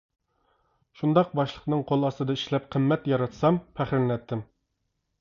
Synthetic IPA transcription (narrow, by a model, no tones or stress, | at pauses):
ʃund̪ɑq̚bɑʃlˠə̥qnɨŋqʰolˠɑsɨd̪ɑiʃlɛp̚qʰəmːɛt̪jɑɾɑt̪sɑmpʰæχɾɪnlɛt̪ʰːɪm